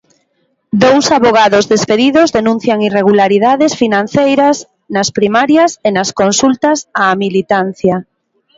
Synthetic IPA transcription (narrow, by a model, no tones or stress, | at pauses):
d̪owsaβoɣ̞aðozðespeðiðozðenũn̟θjaŋireɣulaɾiðaðesfinãn̟θejɾas | naspɾimaɾjasenaskonsult̪asamilit̪an̟θja